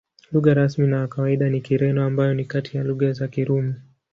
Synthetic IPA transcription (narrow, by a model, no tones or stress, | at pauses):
luɣaɾasminawakawaiɗanikiɾɛnɔambajɔnikatʰijaluɠazakiɾumu